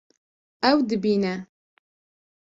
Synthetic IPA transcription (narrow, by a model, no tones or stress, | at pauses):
awd̪ɨbiːnɐ